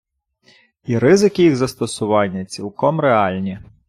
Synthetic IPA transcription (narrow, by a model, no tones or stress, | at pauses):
iɾɪzɪkɪjiɣzɐst̪ɔsʊʋɑnʲːɐt͡sʲilˠkɔmreɑlʲnʲi